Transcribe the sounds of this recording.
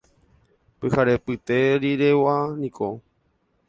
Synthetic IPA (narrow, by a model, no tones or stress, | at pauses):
pɨhaɾepɨt̪eɾiɾewanĩkʰo